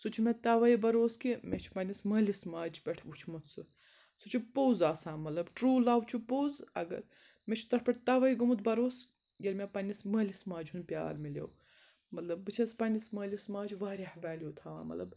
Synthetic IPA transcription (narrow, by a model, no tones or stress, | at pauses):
sut͡ʃʰimet̪aːʋɐibɐɾoːskimʔet͡ʃʰu̥pɐnʲismɐːlʲismaːd͡ʒʰbʲɐʈʰʋut͡ʃʰmut̪sɨ | sut͡ʃʰipoːzaːsãːnmɐt̪lɐbʈɾuːlaːwt͡ʃʰupoːzɐ̰ɡɐ̰ɾ | met͡ʃʰu̥t̪ɐʈʰpʲɐʈʰt̪aːʋɐiɡɐmut̪̚bɐɾoːs | jɐlʲmʲepɐnʲismɐːlʲismaːd͡ʒɦunpʲa̰ːlmilʲḛw | mɐt̪lɐb̚ːɨt͡ʃʰɐspɐnʲismɐːlʲismaːd͡ʒʋaːɾʲihɐʋaːljoːt̪ʰaːʋa̰ːmɐ̰lɐ̰b